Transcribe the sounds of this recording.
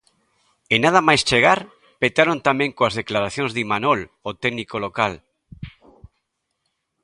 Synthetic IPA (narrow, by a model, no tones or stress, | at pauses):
enað̞amajst͡ʃeɣ̞aɾ | pet̪aɾont̪amɛ̃ŋkoazðeklaɾaθjoŋzðimanolot̪ɛɡnikolokal